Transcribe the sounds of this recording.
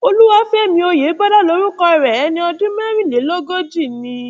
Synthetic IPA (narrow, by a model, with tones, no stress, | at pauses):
o˧lu˦wa˦fɛ˦ɛ˦˨mĩ˧o˧je˨˦ba˦da˦lo˨˦ɾu˦kɔ˧i˧˨ɾɛ˨ɛ˨˦nĩ˧ɔ˧dũ˦mɛ˦ɾ̃ĩ˦˨le˨˦lo˦ɡo˦d͡ʒi˦˨nĩ˧